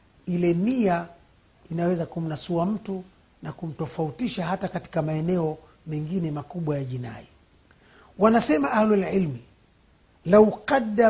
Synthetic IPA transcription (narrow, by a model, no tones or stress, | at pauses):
ilɛmia | inawɛzakum̩nasuam̩tu | nakum̩tɔfautiʃahatakati̥kamaɛnɛɔ | mɛŋɡinɛmakuɓwajaʄina̰i | wanasɛmaʔahlalʕilmi | lauqada